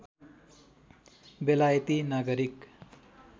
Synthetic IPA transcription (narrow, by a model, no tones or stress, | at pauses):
belajʌt̪inaɡʌɾik